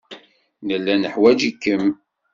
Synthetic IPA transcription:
nəlːænəħwæd͡ʒikːəm

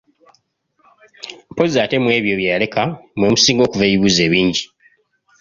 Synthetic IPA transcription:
po̞zaːte̞mwe̞ːβjo̞βjajale̞kamwomusiːŋɡo̞ːkuveːβiβuːze̞ːβiːɲɟi

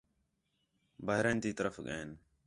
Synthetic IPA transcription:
baːɦɾeːnt̪iːt̪əɾəfɠẽːn

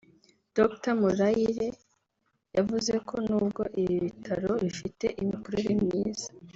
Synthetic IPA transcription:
d̥oktamuɾaiɾe̞ | javuze̞kʰo̞nuːbɡo̞ʔiβiβitʰaɾo̞βifite̞ʔimikuɾoɾimɲiːza

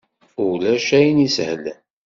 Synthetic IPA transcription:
ulæʃæjnishlən

